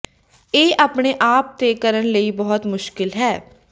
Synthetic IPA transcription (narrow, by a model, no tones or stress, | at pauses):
eːʔaːpɳeːʔaːp̚t̪eːkəɾənləiːbɔːɔt̪mʊʃkɪlɦɛː